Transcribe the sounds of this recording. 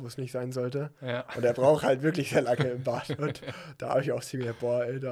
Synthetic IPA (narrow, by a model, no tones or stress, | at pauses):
voːsnɪçtz̥aɪnzɔltəʔʊ̰nteːɐbʁaʊxhaltv̥ɪɐklɪçz̥eːɐlaŋəɪmbaːtʊntd̥aːha̰ːbɪçaʊxt͡siːmb̥ɔɐɛɪda